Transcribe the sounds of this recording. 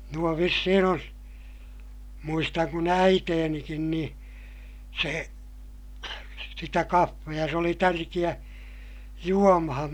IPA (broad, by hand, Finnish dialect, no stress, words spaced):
nuo ʋisːihin on muistɑŋ kun æiteːnikin niː se sitæ kɑfːejɑ se oli tærkij̆æ juomɑhɑm